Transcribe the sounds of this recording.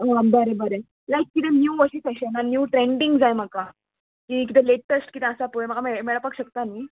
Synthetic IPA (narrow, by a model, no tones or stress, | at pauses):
ɦobəɾebəɾe | lajkːit̪ẽnjuʋəɕiːsajɕananjuːʈɾeɳɖiŋɡd͡zajm̤əka | kĩk̬it̪ẽleʈəsʈkit̪ɛ̃əsapuem̤əɡamemeɭəpakɕək̚t̪anːi